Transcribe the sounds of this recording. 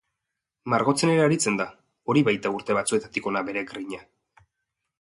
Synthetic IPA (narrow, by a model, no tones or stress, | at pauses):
maɾɣo̞t͡se̞ne̞ɾeaɾit͡se̞nd̪a | o̞ɾiβajt̪auɾt̪e̞βat͡sue̞t̪at̪iko̞nabe̞ɾe̞ɡɾiɲa